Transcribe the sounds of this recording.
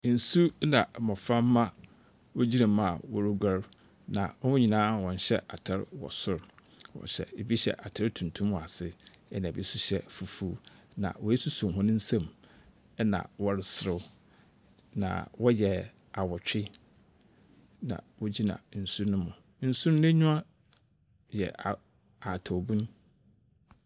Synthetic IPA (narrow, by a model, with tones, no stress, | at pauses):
n̩˨su˦nã˨mɔ̃˨fã˦mː˦ã˦ | wo˦d͡ʑi˦nã˨m̃˦˨a̰˨wɔ˦ɾu˦ɡʷa˦ɾ | nã̰˨wɔ˦wʊ̃˦ɲĩ˨nãː˦wɔ̃˨n˨ɕɛ̰˦ʔa˨tʰɪ˦ɾwɔ̰˨sʊ˦ɾ | wɔ̰̃˨ɕɛ̰˨e˨bi˦ɕɛ̰˦˨ʔa˨tʰɪ˦ɾtʰũ˨ntʰũ˦mwa˨sɪ˦ɛ˦nã˨bi˦su˦ɕɛ˦fu˨fu˦ | nã̰˨wɔ˨˦ɛ˦su˦su˨m˨ɦɔ̃˦nʊ̃˦n̩˦sã˦˨m | ɛ˦nã̰˨wɔ˦ɾɪ˨sɪ˨ɾɪ˦ | nã̰˨wɔ˦jɛ˨ | a˨wɔ˨t͡ɕᶣɪ˦ | nã̰˨wɔ˦d͡ʑi˦nã̰˨˦n̩˨su˦ɾnʊ̃˦mʊ̃˨ | n̩˦su˦ɾnʊ̃˦ɲʊ̃˦a˦ | jɛ̰˨a˨ | a˨tʰa˨bũ˦n˦